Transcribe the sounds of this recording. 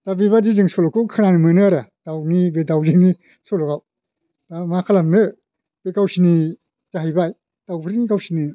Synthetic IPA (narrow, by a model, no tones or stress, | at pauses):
d̥abibadizɯŋsɔlɔkukʰananimɯnɯaɾad̥awnibedawzɯni | sɔlɔɡaw | damakʰalamnɯ | b̥ekawsini | zaɦijbaj | d̥awpʰɯɾinikawsini